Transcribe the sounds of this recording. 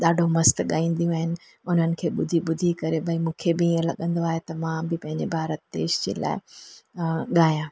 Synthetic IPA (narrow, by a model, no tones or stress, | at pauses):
ɗaːɖʱomɐst̪ɠaːĩːn̆d̪ijũaːɦɪnɪ̆ | ʊn̤ənɪ̆kʰeːɓʊd̪ʱiɓʊd̪ʱikɐɾebʱɐimũːkʰebɪĩːə̃lɐɠə̃nd̪oaːɦet̪ɐmãbɪpɐ̃ɦɪ̃ɲd͡ʑebʱaːɾət̪ːḛːʃd͡ʑḛːla̰ːɪ | ɠaːjãː